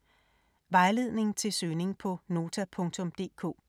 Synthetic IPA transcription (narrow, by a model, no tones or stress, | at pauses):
ʋɑ̈ɪle̝ð̰ˠne̝ŋ̩t͡sʰe̝lsøːne̝ŋpʰɒ̽no̝ːt͡sʰæpʰɔ̽ŋt͡sʰɔ̽md̥e̝̰ːkʰo̰ː